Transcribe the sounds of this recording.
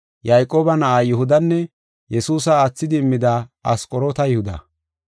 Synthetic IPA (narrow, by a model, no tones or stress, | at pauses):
jɐjkʼo̞ːbɐnɐʔaːjʊɦʊd̪ɐnːɛ | jɛsuːsɐːt͡sːɪd̪ɪːmːɪd̪aːɐskʼɔɾoːt̪ɐjɪhʊd̪ɐ̰